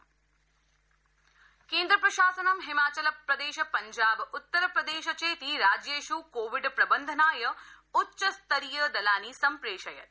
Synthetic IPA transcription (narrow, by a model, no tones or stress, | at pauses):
keːnd̪ɾɐpɾɐʃaːsɐnɐmɦimaːt͡ʃɐlɐpɾɐd̪eːʃɐpɐɲd͡ʒaːbut̪ːɐɾɐpɾɐd̪eːʃɐt͡ʃeːt̪iɾaːd͡ʒjeːʃukoːʋiɖpɾɐbɐnd̪ʱɐnaːjɐ | utːʃɐst̪ɐɾijɐd̪ɐlaːnisɐmpɾeːʃɐjɐt̪